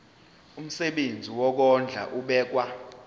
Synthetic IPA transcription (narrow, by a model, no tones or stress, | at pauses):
um̩sɛɓend͡zʱiwɔk̬ɔnd͡ɮʱa̰ʔuɓɛːk̬wa